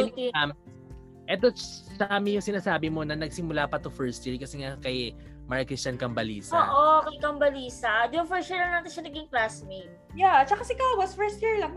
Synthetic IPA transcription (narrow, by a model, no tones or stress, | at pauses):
am | ʔɛt̪osɐaːmɪjʊŋsɪnaːsaːbɪmo̞nɐnɐɡ̚sɪmʊlapɐt̪ʊfɛɹst̪iːɹikɐsɛŋakɐj | maɹɐkɾist͡ʃɐnkɐmbɐliːsoːʔokɐjkɐmbɐliːsɐd̪nfɛɹsiɹlɐŋnaːt̪ɪnʃɐnɐɡɪŋklasmed̪̚ | jat͡ʃɐkasɪɪkawɐsfɛɹst̪jiɹlɐŋ